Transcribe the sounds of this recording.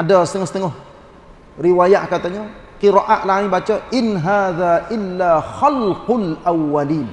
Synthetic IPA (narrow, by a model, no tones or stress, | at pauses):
ʔadasə̥t̪əŋɔsət̪əŋʊh | riwajaʔkat̪aɲə | qiɾaʔaʔlaɦibat͡ʃəʔɪnɦaːðaʔɪlːaxalqʊlʔawːaliːn